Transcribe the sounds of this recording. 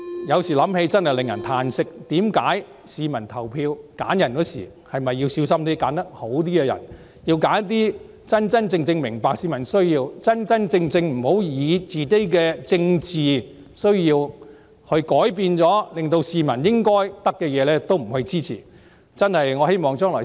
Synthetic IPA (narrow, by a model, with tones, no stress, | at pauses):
jɐ˨˧wsiː˨˩lɐ˨˥mhe˨˧jt͡sɐ˥nhɐ˨jlɪ˨ŋjɐ˨˩nt̪ʰaː˧nsɪ˥k̚t̪iː˨˥mka̰ː˨˥j | siː˨˧mɐ˨˩nt̪ʰɐ˨˩wpʰiː˧wka̰ː˨˥njɐ˨˩nkɔ˨˥sḭː˨˩ | hɐ˨jmɐ˨jːiː˧wsiː˨˥wsɐ˥mt̪iː˥kaː˨˥nt̪ɐ˥k̚ho˨˥wt̪̬iː˥kɛː˧jɐ̰˨˩n | jiː˧wkaː˨˥nt̪̬iː˥ | t͡sɐ˥nt͡sɐ˥nt͡sɪ˧ŋt͡sɪ˧ŋmɪ˨˩ŋpaː˨k̚siː˨˧mɐ˨˩nsɵ˥ɥjiː˧wt͡sɐ˥nt͡sɐ˥nt͡sɪ˧ŋt͡sɪ˧ŋm̩˨˩ho˨˥wjiː˨˧t͡siː˨t̪e˥jk̬ɛː˧t͡sɪ˧ŋt͡siː˨ | sɵ˥ɥjiː˧w | hɵ˧ɥkɔː˨˥jp̬iː˧nt͡sɔː˨˥lɪ˨ŋt̪̬o˧wsiː˨˧mɐ˨˩njɪ˥ŋkɔː˥jt̪ɐ˥kːɛː˧jɛː˨˧lɛː˥t̪o˥wm̩˨˩hɵ˧ɥt͡siː˥t͡sʰḭː˨˩ | t͡sɐ˥nhɐ˨jŋɔː˨˧he˥jmɔː˨˩ŋt͡ʃœː˥ŋlɔ̰ː˨˩